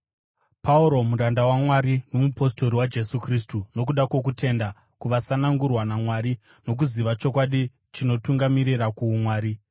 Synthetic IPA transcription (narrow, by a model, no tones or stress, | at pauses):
pauɾo̞muɾandawamwaɾino̞mupo̞s̬to̞ɾiwad͡ʒe̞sukris̬tuno̞kuɗakwok̬ute̞nda | kuʋasanaŋɡurwanamwaɾi | no̞k̬uziʋat͡ʃo̞k̬waɗi | t͡ʃino̞tuŋɡamiɾirakuːmwaːɾi